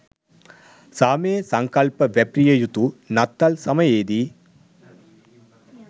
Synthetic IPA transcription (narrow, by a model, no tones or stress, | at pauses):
saːmeːsɐŋkɐlpɐʋepɾijɐjut̪unɐt̪ːɐlsɐmɐjeːd̪i